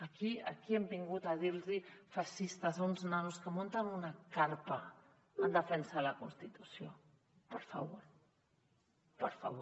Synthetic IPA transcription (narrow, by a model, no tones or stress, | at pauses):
əkiə̰kiɛmbiŋɡut̪aðiɾzifaʃist̪azunznanuskəmont̪ənunakaɾpɐ | ənd̪əfɛnsəlɐkunst̪it̪usio | pəɾfɐβoɾ | pəɾfa̰βo